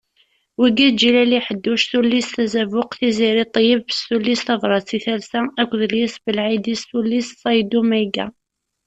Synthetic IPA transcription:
wiɡæd͡ʒilæliħəd̪ːʊʃθulːisθæzævʊqθiziɾit̪ˤjəvsulːisθɑvɾˤɑt͡sːiθælsæækʷðəljɪsbəlʕid̪isθulːissɑjd̪umæɡæ̰

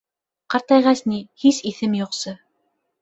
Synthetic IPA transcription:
qɑɾt̪ɑjʁɑsnihisiθɘmjuqsɤ

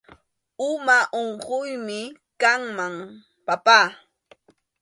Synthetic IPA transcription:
ʊmaʔoɴɢʊjmɪ | kaŋmaŋ | papaː

